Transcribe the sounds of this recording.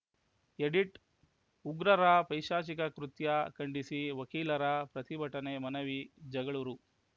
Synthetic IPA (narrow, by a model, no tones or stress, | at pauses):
eɖiʈ | uɡɾɐɾɐpɐjʃaːt͡ʃikɐkɾut̪jɐkɐɳɖisiʋɐkiːlɐɾɐpɾɐt̪ibʱɐʈɐnemɐnɐʋid͡ʒɐɡɐɭuɾu